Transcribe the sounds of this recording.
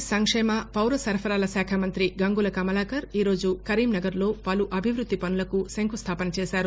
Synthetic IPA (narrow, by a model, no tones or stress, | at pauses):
sɐŋkʂɛːmɐpɐwɾɐsɐɾɐpʰɐɾaːlɐsaːkʰamɐnt̪ɾiɡɐŋɡulɐkɐmɐlaːkɐɾiːɾoːd͡ʒukɐɾiːmnɐɡɐɾlo̞ːpɐluʔɐbʱiʋɾud̪ːipɐnulɐkusɐŋkʰust̪ʰaːpɐnɐt͡ʃeːsaːɾu